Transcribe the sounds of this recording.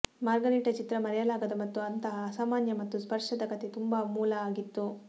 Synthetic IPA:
maːɾɡɐɾiːʈɐt͡ʃit̪ɾɐmɐɾɛjɐlaːɡɐd̪ɐmɐt̪ːuɐnt̪ɐɦɐːsaːmaːnjɐmɐt̪ːuspɐɾʂɐd̪ɐkɐt̪et̪umbaːmuːlɐaːɡit̪ːu

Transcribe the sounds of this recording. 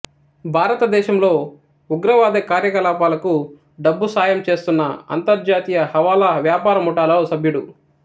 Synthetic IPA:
bʱaːɾɐt̪ɐd̪ɛːʃɐmlo̞ː | uɡɾɐʋaːd̪ɐkaːɾjɐkɐlaːpaːlɐku | ɖɐbːusaːjɐmt͡ʃe̞ːst̪unːɐɐ̰nt̪ɐɾd͡ʒaːt̪ijɐhɐʋaːlɐʋjaːpaːɾɐmuʈaːlɐsɐbʱjuɽu

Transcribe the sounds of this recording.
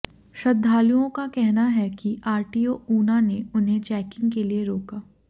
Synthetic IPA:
ʃɐd̪ʱːaːlijõkakɛɦnaɦɛkiʔaːɾʈiːoːuːnaneʊnɦẽt͡ʃɛːkɪ̃ŋɡkelieɾoːkaː

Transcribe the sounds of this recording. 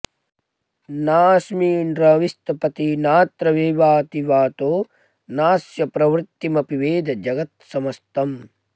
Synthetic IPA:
naːsmiːnɾɐʋist̪ɐpɐt̪inaːt̪ɾɐʋeːʋaːt̪iʋaːt̪oː | naːsjɐpɾɐʋɾt̪ːimɐpiʋeːd̪ɐd͡ʒɐɡɐt̪sɐmɐst̪ɐm

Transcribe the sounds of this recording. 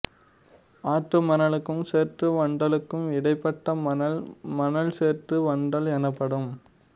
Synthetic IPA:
aːʈrɯmɐnɐɭɯkːɯmseːrʈrɯʋɐɳɖɐlɯkːɯmɪɽɐɪpːɐʈːɐɐmɐnɐlseːʈrɯʋɐɳɖɐlɛnɯpːɐɽɯm

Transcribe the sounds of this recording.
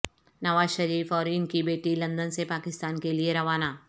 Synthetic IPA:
nɐʋaːzʃɐɾiːfɔːɾɪnkibeːʈilɐ̃nd̪ənsepaːkɪst̪aːnkelieɾɐʋaːnaː

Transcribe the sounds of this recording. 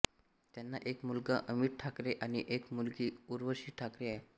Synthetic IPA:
t̪janːaʔekmulɡaʔəmiːʈ̚ʈʰakɾeʔaɽ̃iʔekmulɡiːuɾʋəɾɕiːʈʰakɾeaɦe

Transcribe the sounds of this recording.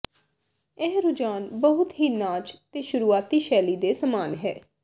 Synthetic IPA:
ɛɦɾʊd͡ʒaːnbəɦʊt̪ɦiːnaːt͡ʃt̪eːʃʊɾuːaːt̪iːʃɛːliːd̪eːsəmaːnɦɛː

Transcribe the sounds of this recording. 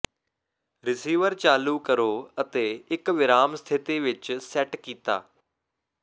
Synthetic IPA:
ɾɪsiːʋəɾt͡ʃaːluːkəɾoːət̪eːɪkʋɪɾaːmsət̪ʰɪt̪iːʋɪt͡ʃsɛʈkiːt̪a̰ː

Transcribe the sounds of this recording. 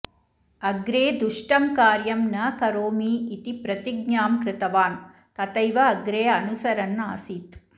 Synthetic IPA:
ɐɡɾeːd̪uʂʈɐmkaːɾjɐmnɐkɐɾoːmiːt̪ipɾɐt̪iɡ̚ɲaːmkɾɪt̪ɐʋaːn | kɐt̪ɐjʋɐɐɡɾeːɐnusɐɾɐnaːsiːt̪

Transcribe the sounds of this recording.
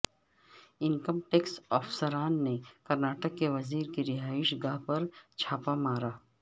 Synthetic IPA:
ɪnkəmʈeːksɔːfsəɾaːnːekɐɾnaːʈəkːeʋɐziːɾkiɾɪɦaːɪʃɡaɦpɐɾt͡ʃʰaːpamaːɾaː

